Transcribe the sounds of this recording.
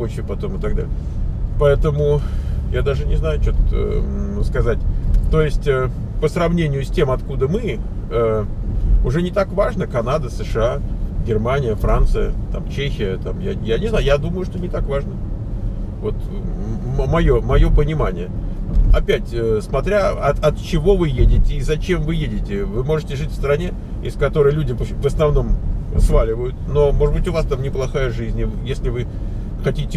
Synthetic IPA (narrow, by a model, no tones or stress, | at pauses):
ot͡ɕɪpɐt̪o̞mɨt̪ɐɡ̚d̪a̰ɪ | pɐɛt̪əmʊjad̪aʐɨnʲɪznajʊt͡ɕo̞t̪ə | skɐzatʲt̪o̞jɪsʲtʲə | pəsɾɐvnʲenʲɪjʊsʲtʲe̞mɐt̪kud̪əmɨ | ə | ʊʐɛnʲɪt̪akvaʐnəkɐnad̪əsəʂɨaɡʲɪrmanʲɪjəfɾant̪sɨjə̰t̪amt͡ɕexʲɪjət̪amja̰janʲɪznajʊjad̪uməjʊʂt̪onʲɪt̪akvaʐnə | vo̞t̪ | mmɐjo̞mɐjo̞pənʲɪmanʲɪjəɐ̰pʲætʲəsmɐt̪ɾʲaɐt̪ɐt̪t͡ɕɪvo̞vɨjedʲɪtʲɪːzɐt͡ɕe̞mvɨjedʲɪtʲɪvɨmo̞ʐɨtʲɪʐɨtʲfst̪ɾɐnʲe | ɪ̰skɐt̪o̞ɾəjlʲudʲɪpvəsnɐvno̞m̰svalʲɪvəjʊt̪̚no̞mo̞ʐɨd̪bɨtʲʊvast̪amnʲɪplˠɐxajəʐɨzʲnʲjesʲlʲɪvɨ | xɐtʲitʲɪ